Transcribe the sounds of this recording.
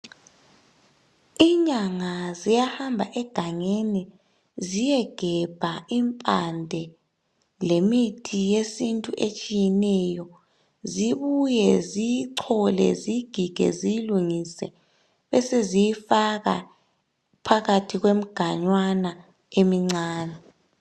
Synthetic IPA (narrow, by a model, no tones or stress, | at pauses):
iːɲaŋazijahambʱaʔɛɡ̥ʱaŋeni | zijɛɡ̥ʱɛb̥ʱaimpʼandʱɛ | lemitʰijesintʼuʔet͡ʃʼijɛnɛjɔ | ziβujɛzijiǀʰɔlɛ̰ziɡ̥ʱiɡ̥ʱɛ̰zijiluŋisɛ̰ | βɛsezijifaɣa̰ | pʰaɣatʰiɣwem̩ɡ̥ʱaɲwana | emiŋ͡ǀaːnɛ